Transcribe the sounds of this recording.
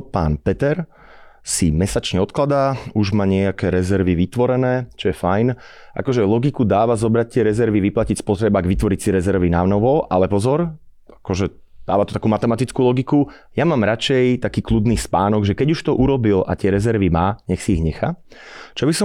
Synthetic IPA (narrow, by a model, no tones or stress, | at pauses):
pa̰ːnpɛt̪ɛɾ | simɛsat͡ʃɲɛɔt̪klad̪aːuʒmaːɲɪɛakɛːɾɛzɛɾʋiʋit̪ʋɔɾɛnɛːt͡ʃɔjɛfajn | ʔa̰kɔʒɛlɔɡikud̪aːʋazɔbɾac̚t̪ɪɛɾɛzɛɾʋiʋiplacicspɔt̪ɾɛbaɡʋit̪ʋɔɾicsiɾɛzɛɾʋinanɔʋɔʔalɛpɔzɔɾ | akɔʒɛ | d̪̥aːʋat̪ɔ̥t̪akuːmat̪ɛmat̪it͡skulɔɡiku | jamaːmɾat͡ʃɛjt̪akiːklud̪niːspaːnɔɡʒɛkɛɟuʃt̪ɔʔuɾɔbila̰t̪ɪɛɾɛzɛɾʋimaːɲɛxsiiɣɲɛxat͡ʃɔbisɔ